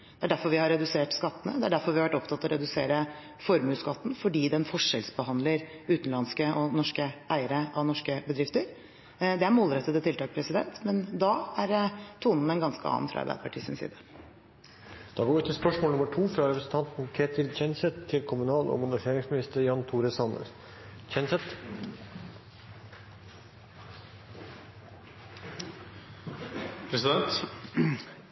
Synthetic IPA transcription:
d̪̥ɛæɖæɾfɔɾʋɪhɑɾːɛd̪ʉseːʈskɑt̪ːənəd̪ɛæɖæɾfɔɾʋɪhɑʋæʈɔpt̪ʰɑt̪ːɔɾɛd̪ʉsḛːɾə | fɔɾmʉːskɑt̪ːn̩fɔɖiːd̪ɛnfɔʂɛlsbəhɑnd̪ləɾʉːt̪n̩lɑnskəʔɔnɔʂkəʔæɪəɾəʔɑnɔʂkəbəd̪ɾɪft̪əɾ | d̪ɛæɾmoːlɾɛt̪ːəd̪ət̪ʰɪlt̪ɑːk̚pʰɾɛsɪd̪ɛ̰nt̪mɛnd̪ɑæɾt̪ʰuːnənɛnɡɑnskəɑ̰ːnfɾɑ̰ɑ̰ɾbæ̰ɪd̪əpʰɑʈʰḭːsɪnsḭːd̪ə | d̪̥ɑːɡoːɾʋʉːt̪ʰːɪlspœʂmoːlʊməʈʰuːfɾɑɾɛpɾəsn̩t̪ʰɑnt̪n̩kʰeːt̪ʰɪlt͡ʃɛnsɛt̪ʰːɪlkʰʊmʉnɑːlo̰ːmʊnəfeːɾɪŋsmɪnɪst̪əɾjɑnt̪ʰuːɾəsɑnə̰ɾ | t͡ʃʰɛnsɛt̪ | pʰɾɛsɪd̪ɛnt̪

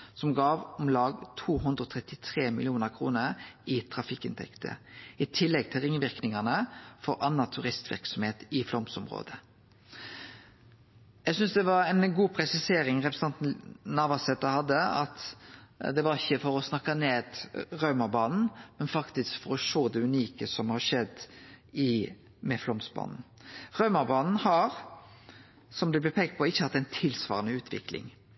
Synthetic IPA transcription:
sɔmɡɑːʋɔmlɑːɡt̪ʰuːɦʉnd̪ɾəɔt̪ʰʁɛt̪ɪt̪ʰʁeːmɪlɪuːnəʁkʰʁṵːnəɾɪt̪ʰɾɑfɪkːɪ̰nt̪ʰɛ̰kt̪ʰə̰ɪt̪ʰɪlːɛɡ̚t̪ʰɪlʁɪŋʋɪʁknɪŋɑnəfɔɾʔɑnːɑt̪ʰʉʁɪst̪ʋɪ̰ʁksɔmheːt̪ɪflɔmsɔmʁo̰ːd̪ə | jæɡsʏnsd̪ɛʋɑɾæɪnɡuːpʰɾɛsɪseːɾɪŋʁɛpɾs̩ɑnt̪nnɑːʋɑsɛt̪ːəhɑd̪ːəɑ̰t̪ | d̪ɛʋɑɾɪçːəfɔɾɔsnɑkːɑneːd̪ʁœʉmɑbɑːnn̩mɛnfɑkt̪ɪskfɔɾɔʃoːd̪ɛʉniːkəsɔmhɑʂɛd̪ɪ | mɛflɔmsbɑ̰ːnn̩ʁœʉmɑbɑːnn̩hɑɾ | sɔmd̪ɛblɛpʰeːɡ̚t̪̚pʰɔɪçːəhɑt̪ːɛɪnt̪ʰɪlsʋɑ̰ːɾənəʉːt̪ʰʋɪ̰klɪ̰ŋ

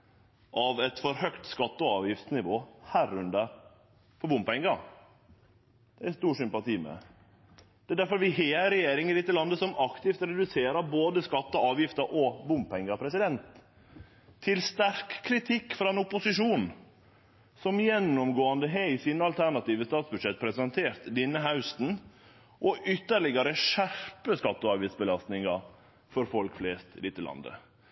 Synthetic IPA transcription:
ʔɑʋɛt̪fɔɾhœkt̪skɑt̪ːəɔɑ̰ːʋjɪft̪snɪʋo̰ːhæːɾʉnd̪əɾ | fɔɾbʊmpɛŋɡɑ | d̪̥ɛæst̪uːʂʏmpɑt̪iːmɛ̰ | d̪̥ɛd̪æɾfɔɾʋɪɦeːɾɛjeːɾɪŋlɪt̪ːəlɑnd̪əsɔmɑkt̪ɪft̪ɾɛd̪ʉseːɾɑboːd̪əskɑt̪ːɔɑːʋjɪft̪əɾʔɔbʊmppʰɛŋːɑpʰɾɛsɪd̪ɛnt̪ | ɪlst̪æɾkʰːɾɪt̪ʰɪkːfɾɑːɛnʊpʊsɪʂuːn | sɔmjɛnːɔmɡoːɑnd̪əɦeɪsiːnəɑlt̪ʰæɾɳɑt̪iːʋəst̪ɑːt̪sbʉd̪ʂɛt̪̚pʰɾɛsɛnt̪ʰeːɾt̪d̪ɪnːəɦaʉst̪n̩ | ʔɔʔʏt̪ːəɾɭɪɡɑɾəʂæɾpəskɑt̪ːəɑːʋjɪsbəlɑst̪nɪŋɑ | fɔɾfɔlkfleːst̪lɪt̪ːəlɑ̰nd̪ə̰

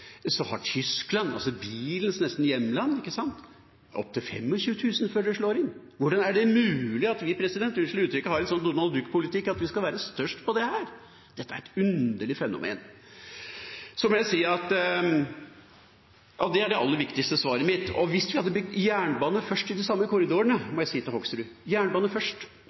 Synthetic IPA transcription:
sɔhɑ̰ʈʰʏsklɑnɑ̰lsɔbiːlənsnɛst̪n̩jɛmːlɑnːɪkːəsɑnt̪ | ʔɔ̰p̚ːt̪ʰɪlfɛ̰mːɔçʉːət̪ʰʉːsənføːɖɛʂɭoːɾɪnː | ʋʊɖɑnæɖɛmʉːlɪɑt̪ʋɪpʰɾɛsɪd̪ɛnt̪ʉnʂlʉːt̪ʰɾʏkːəhɑɾɛnsɔnːʊɾmɑld̪ʉkːpʰʊlɪt̪ʰɪkːɑt̪ʋɪskɑlʋæːɾəst̪œʂʈpɔd̪ɛhæːɾ | d̪̥ɛt̪ːəæɾɛt̪ʉnd̪əɭɪfɛnʊ̰mʔḛːn | sɔmɔjæɪsiːɑt̪ | jɑ̰d̪ɛæɖɛɑlːəɾʋɪkt̪ɪkst̪əsʋɑːɾəmɪt̪ːɔ̰ʋɪst̪ʋɪhɑd̪ːəbjæːɳbɑːnəfœʂʈɪd̪ɪsɑmːəkʰʊɾɪd̪uːəɳəmɔjæɪsiːt̪ʰɪlhɔɡsɾʉː | jæːɳbɑːnəfœʂʈ

